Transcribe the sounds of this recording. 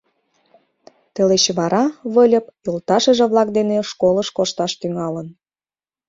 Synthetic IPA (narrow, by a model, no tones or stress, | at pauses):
t̪eleɕeβɑɾɑβəlʲə̆p̚jolt̪ɑʃəʒĕβlɑk̚d̪eneʃkoləʃkoʃt̪ɑʃt̪yŋɑlən